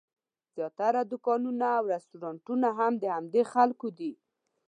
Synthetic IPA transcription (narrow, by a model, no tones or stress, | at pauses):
z̥jɑt̪aɾad̪ʊkɑnunaːwɾast̪uɾɑɳʈunaɦamd̪əhamd̪exalkod̪i